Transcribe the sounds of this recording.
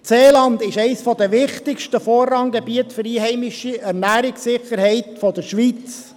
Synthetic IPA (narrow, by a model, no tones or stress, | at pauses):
t͡seːlɑnd̪ɪʃɛɪsfɔd̪əʋɪχtɪkʃtəfɔːrːɑŋɡɛbiətfɵɾiːɦɛɪmɪʃiæɾnæːɾɪksɪχəɾhɛɪtfɔd̪əɾʃʋit͡s